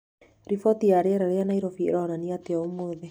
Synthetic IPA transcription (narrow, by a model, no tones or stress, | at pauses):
ɾifɔt̪iaɾeaɾaɾeanaiɾɔfḭɾɔnaniat̪eaomoðe